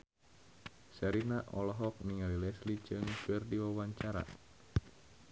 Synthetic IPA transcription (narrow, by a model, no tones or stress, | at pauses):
saɾinaʔɔlɔɦɔk̚niŋalilɛslit͡ʃɨŋfərdiwawaɲt͡ʃaɾa̰